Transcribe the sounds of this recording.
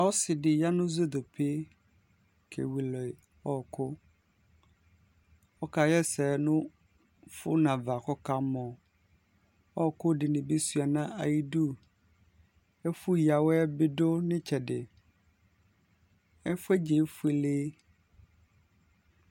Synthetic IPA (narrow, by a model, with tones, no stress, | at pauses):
a˨wɔ˦sɪ˨dɪ˨ja˦nʊ̃˦zo˦d̪o˨pʰe˦ | kʰḛ˨wi˨lɔ˨ | ɔ˦˨kʰʊ˦ | ɔ˦ka˨jɛ˦sɛː˨nʊ̃˦ | fʊ˦nã˨va˨kɔ˦ka˦mɔ̃˨ | ɔ˦˨kʊ˦dɪ˨nɪ̃˨be˦su˦a˨nã˦ʔa˨ji˦du˦ | ɛ˦fʊ˦ja˨wɛ˦bɪ˦dʊ˦nɪ̃˦t͡ɕʰɛ˨dɪ˨ | ɛ˦fʊ˦ɛ˦d͡ʑe˨˦fʊ˦e˨leː˦